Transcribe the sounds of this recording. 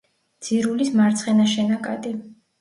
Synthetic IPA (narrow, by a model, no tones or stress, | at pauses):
d̪z̥iɾulismaɾt̪sʰχɛnaʃɛnakʼa̰t̪ʼi